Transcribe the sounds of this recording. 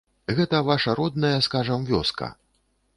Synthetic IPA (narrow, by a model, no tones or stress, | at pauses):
ɣɛt̪ɐvaʂɐɾɔd̪̚nɐjɐskaʐɐmvʲɔskɐ̰